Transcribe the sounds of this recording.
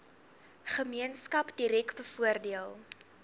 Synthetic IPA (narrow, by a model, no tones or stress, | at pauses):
χəmiənskɐpdiɾɛkbəfuərdiəlˠ